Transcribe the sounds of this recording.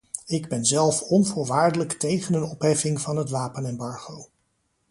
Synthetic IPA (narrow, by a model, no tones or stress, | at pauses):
ɪɡbɛnzɛlˠfɔnvʊːɹʋaːɹdələktejχənənɔpɦɛfɪŋvɑnɦətʋaːpənɛmbɑɹχow